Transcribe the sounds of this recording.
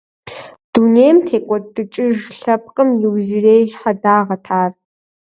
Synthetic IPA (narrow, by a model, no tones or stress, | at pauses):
d̥unejmtʰeːkʷʼɔdɨt͡ʃʼɪʒɬɐp̚qʼəmjɪwzireːjħadaːʁɐtʰaːr